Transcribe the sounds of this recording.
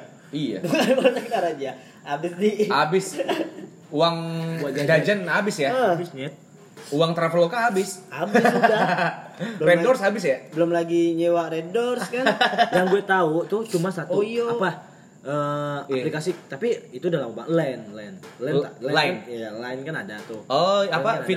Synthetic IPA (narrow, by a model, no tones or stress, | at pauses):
ija̰batakt̪aɾad͡ʒa | abɪsdiabɪs | uwaŋwad͡ʒad͡ʒad͡ʒanabɪsjabɪsnɛt̪̚ | uwaŋt̪ɾafelokaabɪsabɪsda | bəɾedɔrsabɪsjabəlʊmlaɡiɲewaredɔrskanjaŋɡuɛt̪aut̪ʊht͡ʃumasat̪uapa | ʔəːaplikasit̪apiit̪udalamuba̰ŋlɛnlɛnlɛnt̪a̰lɛlanjalaɪnkanadat̪ʊhoapaafi